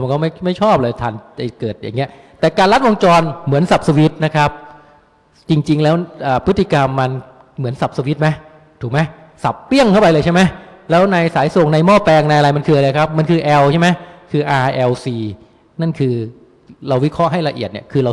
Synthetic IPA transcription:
a˧nkɔː˥˩ma˥˩jma˥˩jt͡ɕʰɔː˥˩p̚lɤː˧jt̪ʰaː˨˩˦na˧˩kɤː˨˩t̪̚ja̰˨˩ŋːi˦˥ɐ | t̪ɛː˨˩kaː˧nla˦˥t̪̚wo˧ŋt͡ɕɔː˧nmɯ˩˦ənsa˨˩p̚sa˧wi˦˥t̪̚na˦˥kʰɾa˦˥p̚ | t͡ɕi˧ŋt͡ɕi˧ŋlɛː˦˥wʔəː˨˩pʰɯ˦˥t̪ʰːi˨˩ka˧mːa˧n | mɯ˩˦ənsa˨˩p̚sa˧wi˦˥t̪̚ma˦˥j | t̪ʰuː˨˩k̚ma˦˥j | sa˨˩p̚ːi˥˩əŋkʰa˥˩pa˧jlɤː˧t͡ɕʰa˥˩ma˦˥jlɛː˦˥wna˧jsaː˩˦jsu˨˩əŋna˧jmɔː˥˩fɛː˧ŋna˧jʔa˧ɾa˧jma˧nkʰɯː˧a˧lɤː˧jkʰa˦˥p̚ma˧nkʰɯː˧ʔɛː˧wt͡ɕʰa˥˩jma˦˥jkʰɯː˧ʔaː˧ʔɛː˧wsiː˧ | na˥˩nkʰɯː˧ | ɾa˧wi˦˥kʰɾɔ˦˥ʔɦa˥˩jla˧ʔi˨˩t̪̚ni˥˩əkʰɯː˧ɾa˧

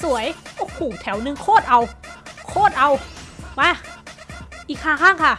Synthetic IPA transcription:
su˩˦əjʔo˧˥kʰuː˨˩t̪ʰɛ˩˦wnɯ˧ŋkʰoː˥˩t̪̚ʔa˧wkʰoː˥˩t̪̚ʔa˧wmaː˦˥˩ | ʔiː˨˩kʰːaː˧˩kʰaː˥˩ŋkʰa˥˩

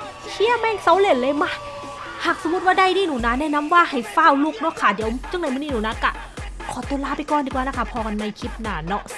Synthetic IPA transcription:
kʰi˧˥˩əmɛː˧˥˩ŋsa˨˦wle˧˩nlɤː˧˥˨ma˧˥˨ | haː˨˩k̚so˨˧˦m˦˧˦t̪̚waː˥˩da˧˩˨jniː˧˩˨nuː˨˩naː˧˥˩nɛː˧˥˨na˧˥mwaː˧˩˨ha˨˩jfaː˧˥˩wluː˧˩k̚nɔ˦˧˥kʰaː˧˩di˨˦ə˦wt͡ɕa˧˥˨ŋa˧˦jmɯ˧˥˨niː˧˨nuː˨˩˦na˧˥ka˧˩ | kʰɔː˨˩˦t̪uː˧˦laː˧˩pa˧˨jkɔː˧˨ndi˧˩kwaː˧na˧˥˧kʰa˧˥˩pʰɔː˧˩ka˧nːa˧˩jkʰi˧˦˥p̚naː˧˩nɔ˧˥ʔ

